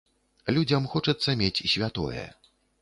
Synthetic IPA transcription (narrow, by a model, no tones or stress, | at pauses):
lʲud͡zʲɐmxɔt͡ʂɐt̪sːɐmʲet͡sʲsʲvʲat̪ɔ̰jɛ̰